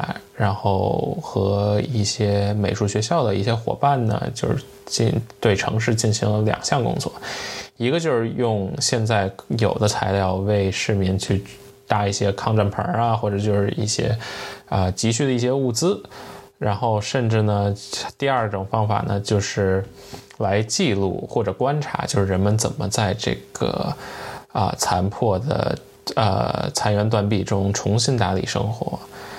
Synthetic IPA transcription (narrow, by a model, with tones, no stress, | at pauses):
ɻa˧˥nxo˥˩ʊxɤ˧˥i˥˩ɕjɛ˥me˨˩ɪʂu˥˩ɕɥɛ˧˥ɕ̬jɑ˥˩ʊd̪ə˩ḭ˥˩ɕjɛ˥xwɔ̰˨˩pa˥˩nnə̰˩t͡ɕjo˥˧ʊʂ̩˥˧˥t͡ɕi˥˧nt̪we˥˩ɪʈ͡ʂʰɤ̰˧˥ŋʂ̬ɻ̩˥˧t͡ɕi˥˩nɕi˧˥ŋlə˧ljɑ̰˨˩ŋɕjɑ˥˩ŋkʊ̰˥ŋt͡swɔ̰˥˩i˧˥ɡə˧t͡ɕjo˥˧ʊʂɻ̩˥˧jʊ˥˧ŋɕjɛ˥˧nt͡sa˥˩ɪjo˨˩ʊd̪ə˦t͡sʰa˧˥ɪljɑ˥˧ʊwe˥˧ɪʂɻ̩˥˩mi˧˥ŋt͡ɕʰy˥˧ | t̪a˥˧i˥˩ɕjɛ˥kʰɑ˥˧ŋʈ͡ʂa˥˩npʰə̰˞˧˥ɐ˧xwɔ˥˩ʈ͡ʂɤ˨˩t͡ɕjo˥˧ʊʂɻ̩˥˧˩ḭ˥˩ɕjɛ̰˥ə˧t͡ɕi˧˥ɕy˥˩d̪ə˩i˥˩ɕjɛ˥u˥˩t͡sɹ̩˥ɻa˧˥nxo˥˧ʊʂə˥˧nʈ͡ʂɻ̩˥˩nə˩t̪i˥˧a˞˥˩ʈ͡ʂʊ˨˩ŋfɑ˥ŋfa̰˨˩nə̰˩t͡ɕjo˥˧ʊʂɻ̩˥˩ | la˧˥ɪt͡ɕi˥˧lṵ˥˧xwɔ˥˩ʈ͡ʂɤ˨˩kwa˥nʈ͡ʂʰa̰˧˥t͡ɕjo˥˧ʊʂɻ̩˥˩ɻə˧˥nmə˧nt͡sə˨˩nmə˦t͡sa˥˧ɪʈ͡ʂɤ̰˥˩ɡ̥ə̰˩ | ə̰˧˩t͡sʰa˧˥npʰwɔ˥˩d̪ə̰˩ | ə̰˧˩t͡sʰa˧˥nɥɛ˧˥nt̪̬wa˨˩npi˥˩ʈ͡ʂɤ˥ʊ˥˩ʈ͡ʂʊ˧˨˩ŋʈ͡ʂʰʊ˧˥ŋɕi˥nt̪a˧˥lḭ˨˩ʂɤ̰˥ŋxwɔ̰˧˥